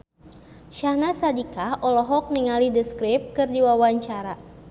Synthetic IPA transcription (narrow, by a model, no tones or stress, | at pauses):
ʃahnasadikahʔɔlɔɦɔk̚niŋalidəskɾip̚kɨrdiwawaɲt͡ʃaɾa